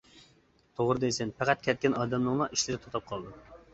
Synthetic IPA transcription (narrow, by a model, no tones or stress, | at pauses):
t̪ʰoʁɾɨd̪esɪnpʰæqʰæt̪̚kʲʰɛt̪̚kʲɛnɑːd̪ɛmnɨŋlˠɑʔiʃlɪɾɪt̪ʰot̪ʰɑp̚qʰɑlˠd̪u